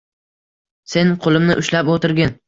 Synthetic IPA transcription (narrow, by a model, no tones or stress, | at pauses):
se̞nqʰolˠɪmnɪʔʊʃlapot̪ɪɾɡʲɪn